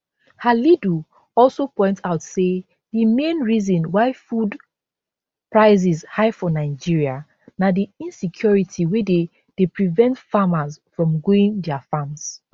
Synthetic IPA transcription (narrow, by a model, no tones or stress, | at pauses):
halidu | ɔlsopɔ̃ɪ̃ntaʊtse | dimẽnɹizɔ̃nwaɪfud | pɹaɪzizhaɪfɔ̃naɪd͡ʒiɹia | nadiĩnsikʰjɔɹitʰiwɛde | d̥epɹivɛ̃ntfamazfɹɔ̃mɡoĩŋdɛafams